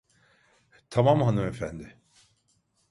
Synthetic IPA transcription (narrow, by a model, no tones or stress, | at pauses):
t̪ʰamamhɦanɯmefænd̪ɪ